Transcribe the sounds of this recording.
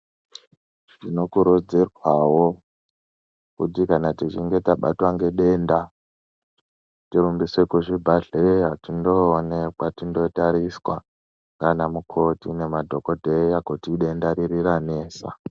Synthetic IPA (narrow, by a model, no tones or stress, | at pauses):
tino̞kuɾud͡zirwawo̞ | kutikanatit͡ʃiŋɡe̞taɓa̰twaŋɡe̞ɗe̞ːnda | tiɾumbiswekuʐibʱaɮeatindo̞ːnekwatindo̞taɾiswa̰ | ŋɡanamukʰo̞tine̞madʱo̞kodʱeiakutiɗe̞ndaɾiɾiɾane̞ːsa̰